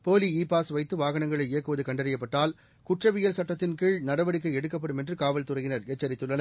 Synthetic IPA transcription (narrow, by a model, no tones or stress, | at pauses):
poːliiːpːaːsʋɐɪt̪ːɯʋaːɣɐnɐŋɡɐɭɐɪɪjɐkːɯʋɐðɯkɐɳɖɐɾɐjɐp̬ːɐʈːaːl | kʊʈrɐʋɪjɐlsɐʈːɐt̪ːɪnkɪɭnɐɽɐʋɐɽɪk̬ːɐɪɛɽɯkːɐp̬ːɐɽɯmɛndrɯkaːʋɐlt̪ʊrɐɣɪnɐɾet͡ʃːɐɾɪt̪ːɯɭːɐnɐ